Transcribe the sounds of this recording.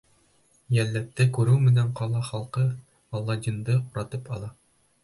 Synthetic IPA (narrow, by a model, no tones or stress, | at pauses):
jælːæt̪ːɘkʉɾʉwmɘ̆næɴqɑlˠɑχɑlˠqɤ | ɒlˠːɑd̪ʲind̪ɤquɾɑt̪ɤpɑlˠɑ